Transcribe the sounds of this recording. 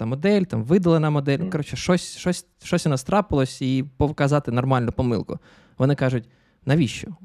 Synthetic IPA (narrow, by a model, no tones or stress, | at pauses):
ɐmɔd̪ɛlʲt̪ɑmʋɪd̪ɐlˠɐnɐmɔd̪ɛlʲnkɐɾɔt͡ʃɛʃɔsʲʃɔsʲ | ʃɔsʲɔnɐst̪ɾɑpɪlˠɔsʲipɔʋkɐzɑt̪ɪnɔrmɑlʲnʊpɔmɪ̰lˠkʊ̰ | ʋɔnɪkɑʒʊtʲ | nɐʋʲiʃt͡ʃɔ